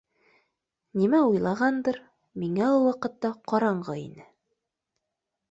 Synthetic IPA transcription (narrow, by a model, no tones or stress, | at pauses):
nimæujlˠɑʁɑnd̪ɤɾ | miŋæulˠwɑqɤ̆t̪ːɑqɑɾɑɴɢɤḭnɘ